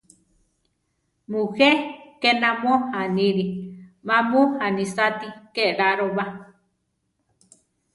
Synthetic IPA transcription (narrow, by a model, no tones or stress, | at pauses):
mũhekenãmohanĩɾimãmõhanĩsat̪ikeʔɾaɾoβa